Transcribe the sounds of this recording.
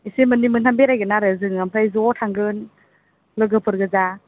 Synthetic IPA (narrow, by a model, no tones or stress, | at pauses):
isimɯnimɯntʰambeɾajɡɯnaɾɯzɯŋampʰajzɔtʰaŋɡɯn | lɯɡɯpʰɯɾɡɯza